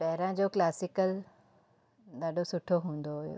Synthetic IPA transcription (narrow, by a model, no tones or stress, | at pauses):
ʈɐɦɪɾãd͡ʑoːklaːsɪkəl | d̪aːɗʱosʊʈʰoɦũːn̆d̪oɦʊjo̰